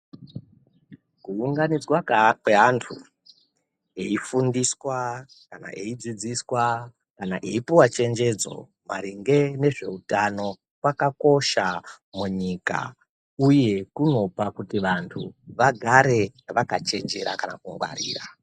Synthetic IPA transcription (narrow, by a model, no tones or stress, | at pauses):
kuuŋɡanid͡zwakweɦantʰu | eifundiswa | kana̰ʔeid͡zid͡ziswa | kana̰ʔe̞ipuwat͡ʃe̞nd͡ʒe̞d͡zo̞̰ | ma̰ɾiŋɡe̞ne̞ʐe̞utano̞ | kwakako̞ʃa | muɲika̰ | uje̞kuno̞pakutiʋantʰuʋaɡʱaɾe̞ʋakat͡ʃe̞nd͡ʒe̞ɾa̰kana̰kuŋɡwa̰ɾḭːra